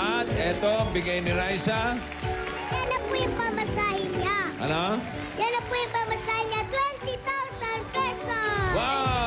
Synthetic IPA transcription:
at̪̚ʔɛt̪oɐŋbɪɡajnɪɾajsa | janɐpʊjʊŋpamɐsaːhɪɲaʔɐ̰no | janːɐpʊjʊŋpamɐsaːhɪɲat̪wɛnt̪it̪awsand̪̚pɛsawa

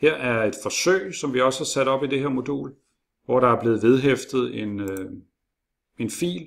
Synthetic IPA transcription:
heɐ̰æɐe̝d̥fɒ̽sø̰ɪ̰sɒ̽mʋiɒ̽səæsæɾ̥ɒ̽b̥id̥e̝heɐmo̝d̥o̝̰ːl | ʋɒɾ̥ɑ̈æɐb̥le̝ːð̩ˠʋe̝ð̞ˠɦefd̥ð̞̩ˠe̝nø | e̝nfḭːl

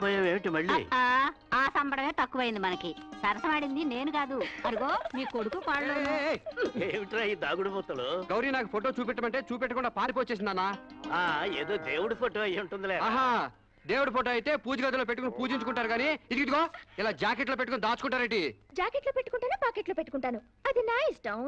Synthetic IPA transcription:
pojaːʋeːmiʈimɐɭːḭːa | aːsɐmbɐɽɐme̞ːt̪ɐkːuʋɐjind̪imɐnɐkisɐɾɐsɐmaːɽind̪ine̞ːnuɡaːd̪uɐɾiɡoːmiːkkoɽukupaːɭlo | eːʋiʈiɾaːjid̪aːɡuɽumut̪ːɐloɡɐwɾijɐnaːkupʰoʈo̞ːt͡ʃuːp̬iʈːɐmɐɳʈe̞ːt͡ʃuːp̬ɛʈːɐkuɳɖaːpaːɾip̬oːt͡ʃe̞ːs̬ind̪ɐnːaːaːeːd̪oːd̪eːwuɽupʰoːʈoːɐjiuɳʈund̪ileaːɦaː | d̪eːwuɽupʰoʈoːɐjit̪e̞ːpuːd͡ʒɐɡaːd̪ɐlopeʈːukunipuːd͡ʒiɲt͡ʃukuɳʈaːɾuɡaːniid̪iɡid̪iɡoːilaːd͡ʒaːkeʈ̬lo̞ːpeʈːukːnid̪aːt͡ʃukuɳʈaːɾɐɳʈid͡ʒaːkeʈloːpeʈːukuɳʈaːneːpaːkeʈloːpeʈːu̥kuɳʈaːnu | ɐd̪inaːjisʈɐm

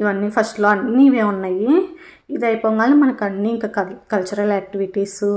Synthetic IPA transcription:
iʋɐnːiːpʰɐsʈloɐnːniːʋeːunːaːji | id̪ɐjpoːŋɡaːlimɐnɐkɐnːiːiŋkaːɐkɐlt͡ʃuɾɐleːk̚ʈiʋiʈiːsu

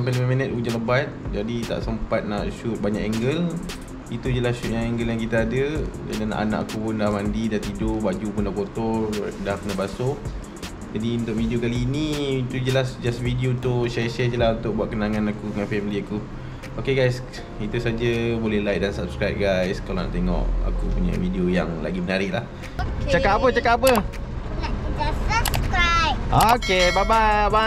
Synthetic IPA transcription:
mpəliməminət̪ud͡ʒaləbat̪̚d͡ʒadit̪a̰ʔsəmpat̪̚naʔʃut̪̚baɲa̰kɛŋɡəl | it̪ud͡ʒəlasʃut̪̚jaŋɛŋɡəljaŋkit̪aadəd͡ʒa̰dana̰ʔana̰ʔakupndahmandidaht̪idobad͡ʒupʊndakot̪ɔrdahkənabaso | d͡ʒadiunt̪ʊʔvidiokaliːnĩit̪ud͡ʒəlasd͡ʒasvidiot̪uʃajəʃɛd͡ʒəlaunt̪ʊk̚buat̪ʔ̚kənaŋãnakudəŋanfɛmiliaku | okeɡajs | it̪usad͡ʒəbolɛhlajk̚dansap̚skɾajp̚ɡajskalona̰ʔt̪eŋɔ̰ʔa̰kupuɲa̰videoja̰ŋla̰ɡimənaɾɪʔlah | t͡ʃakatapət͡ʃakatːap̬ə | aa | okebabaaba

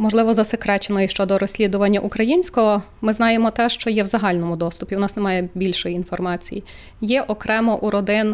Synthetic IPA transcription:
mɔʒlˠɪʋɔzɐsekɾɛt͡ʃenɔjiʃt͡ʃɔd̪ɔɾɔsʲlʲid̪ʊʋɐnʲːɐʔukɾɐjinʲsʲkɔɦɔ | mɪznɑjemɔt̪ɛʃt͡ʃɔjɛwzɐɦɑlʲnɔmʊd̪ɔst̪ʊpʲiʊnɑsnemɑjɛbʲilʲʃɔjiinfɔrmɑt͡sʲḭji | jɛʔɔkɾɛmɔʔuɾɔd̪ɪn

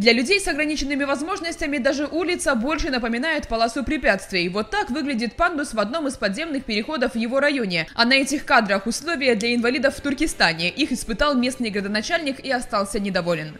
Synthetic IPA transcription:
d̪lʲɐlʲʉdʲejsɐɡɾɐnʲit͡ɕɪnːɨmʲɪvɐzmo̞ʐnəsʲtʲɪmʲɪd̪aʐɨʔulʲɪt̪səbo̞lʲʂɨnəpəmʲɪnajɪt̪pɐlˠasʊpɾʲɪpʲat̪st̪vʲɪjɪvo̞t̪ːakvɨɡlʲɪdʲɪt̪̚pand̪ʊsvɐd̪no̞mɨspɐd̪zʲe̞mnɨxpʲɪɾʲɪxo̞d̪əfvjɪvo̞ɾɐjo̞nʲɪɐnɐɛtʲɪxkad̪ɾəxʊslˠo̞vʲɪjəd̪lʲɐɪnvɐlʲid̪əfːt̪ʊrkʲɪst̪anʲɪʔixɨspɨt̪ɑlˠmʲe̞snɨjɡɾəd̪ənɐt͡ɕalʲnʲɪkiɐst̪ɑlˠsʲənʲɪd̪ɐvo̞lʲɪn

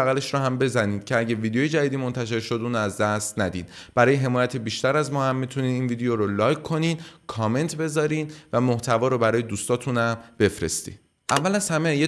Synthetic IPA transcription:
æɣæleʃɾɔːɦæmbe̞zæniːd̪̥̚cʰeæɟe̞vid̪eojed͡ʒæd̪iːd̪iːmo̞nt̪ʰæʃ̬e̞ɾʃo̞d̪ʔuːnæzd̪æst̪næd̪ḭːd̪b̥æɾɒːjeɦe̞mɒːjæt̪ʰebiːʃt̪æɾæzmɒːhæmːit̪ʰuniːiːnviːd̪ejoɾolɒːjkʰːo̞niːd̪kʰɒːme̞nt̪ʰbe̞zɒːɾiːnvæmo̞ht̪ʰævɒːɾobæɾɒːje̞d̪uːst̪ɒːt̪ʰuːnhæmb̥e̞fɾe̞̰st̪ḭ̥ː | ʔævːælæshæmeje

